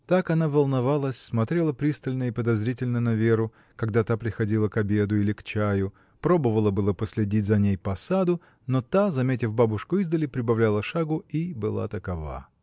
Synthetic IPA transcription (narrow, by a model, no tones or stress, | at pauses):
t̪akɐnavəlˠnɐvalˠəsʲsmɐt̪ɾʲe̞lˠəpɾʲist̪əlʲnəipəd̪ɐzɾʲitʲɪlʲnənɐvʲeɾʊ | kɐɡd̪at̪apɾʲɪxɐdʲilˠəkɐbʲe̞d̪ʊilʲɪkt͡ɕæjʊ | pɾo̞bəvəlˠəbɨlˠəpəsʲlʲɪdʲitʲzɐnʲejpəɐsad̪ʊ | not̪azɐmʲet̬ʲɪfbabʊʂkʊizd̪əlʲɪpɾʲɪbɐvlʲælˠəʂaɡʊibɨlˠa̰t̪əkɐva̰